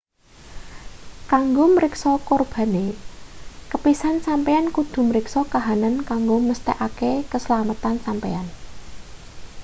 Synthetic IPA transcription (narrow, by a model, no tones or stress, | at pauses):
kaŋɡoməɾɪksɔkorb̥a̤ne | kəpisansampeankud̪̥ṳməɾɪksɔkaɦanankaŋɡoməst̪ɛʔakekəsəlamət̪ansampḛan